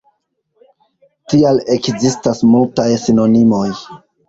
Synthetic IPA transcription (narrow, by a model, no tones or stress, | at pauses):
tiale̞kzistasmultajsino̞nimo̞j